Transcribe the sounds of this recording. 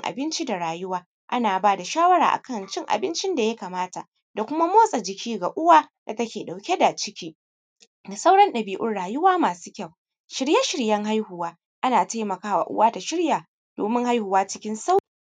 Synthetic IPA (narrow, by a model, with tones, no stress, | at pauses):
ŋʔa̰˨bɪ˦nt͡ʃi˦da˨ɽaː˨jʊ˦waː˦ | ʔa˦naː˨baː˦da˨ʃaː˦wɐ˦ɽa̰ː˨ʔa̰˨kɐ˦˨nt͡ʃɪ˦ŋʔa̰˨bɪ˦nt͡ʃɪ˦nda˨ja˦kaː˨maː˦ta˨ʔ | da˨kʷʊ˦ma˦moː˦sʼa˨d͡ʒɪ˨kʲiː˦ɡa˨ʔʊ˦waː˦d̥a˨tɐ˦kʲeː˨ɗa˨wkʲe˦da˨t͡ʃɪ˦kʲiː˦ | da˨sa˦wɽɐ˦nɗɐ˨biː˦ʔʊ˦rɽaː˨jʊ˦waː˦maː˨su̥ː˦kʲɐ˦˨w | ʃɪ˨ɽja˦ʃɪ˨ɽjɐ˦ŋɦa˦jhʊ˨waː˦ | ʔa˦naː˨ta˦jmɐ˨kaː˦wa̰˨ʔʊ̰˦waː˦da˨ʃɪ˦ɽjaː˨ | d̥o̰ː˨mɪ˦ŋha˦jhʊ˨waː˦t͡ʃɪ˦kʲɪ˦nsa˦˨